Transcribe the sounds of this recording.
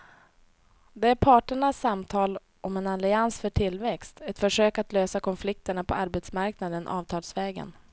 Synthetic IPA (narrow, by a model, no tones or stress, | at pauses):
d̪ɛæɾpʰɑːʈəɳasːamt̪ʰɑːl | ʔɔmɛnalɪansfœʈʰɪlːvɛkst̪ɛt̪fœʂøːkat̪løːsakʰɔnflɪk̚t̪əɳapʰɔaɾbɛt̪smaɾknad̪ənʔɑ̰ːvt̪ʰɑːlsvɛːɡə̰n